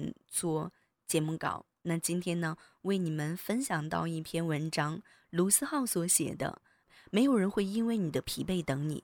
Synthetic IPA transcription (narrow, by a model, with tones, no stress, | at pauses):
nt͡swɔ˥˩ | t͡ɕjɛ˧˥mu˥˩kɑ̰˨˩˦ʊ | na˥˩t͡ɕi˥nt̪ʰjɛ˥nnə˨ | we˥˩ɪni˨˩mə˦nfə˥nɕjɑ˨˩ŋt̪ɑ̰˥˧ʊi˥˩pʰjɛ˥nwə˧˥nʈ͡ʂɑ˥ŋ | lu˧˥sɹ̩˥xɑ˥˩ʊswɔ˧˥ɕjɛ̰˨˩d̪ə̰˦ | me˧˥ɪjo˨˩ʊɻə˧˥nxwe˥˧ɪi˥nwe˥˩ɪni˨˩d̪ə˦pʰi˧˥pe˥˩ɪt̪ɤ˧˥ŋnḭ˨˩˦